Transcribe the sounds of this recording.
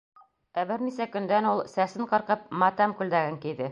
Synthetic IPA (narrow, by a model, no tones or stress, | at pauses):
æbɘɾnisækɵ̆nd̪ænulˠsæsɘɴqɤ̆ɾqɤp̚mɑt̪ɑmkʉld̪æɡɘŋkid̪ɘ